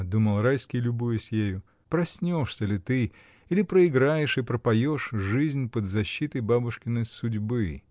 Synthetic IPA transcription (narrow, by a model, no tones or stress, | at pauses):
d̪uməlˠɾajskʲɪjlʲʊbujəsʲjejʊ | pɾɐsʲnʲo̞ʂsʲəlʲɪt̪ɨ | ilʲɪpɾəɪɡɾajɪʂɨpɾəpɐjo̞ʂʐɨzʲnʲpəd̪zɐɕːit̪əjbabʊʂkʲɪnəsʊdʲbɨ